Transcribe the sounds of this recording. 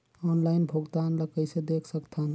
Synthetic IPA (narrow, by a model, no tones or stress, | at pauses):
ɔnlaɪnbʱoɡd̪anləkəɪsed̪ekʰsəkt̪ʰən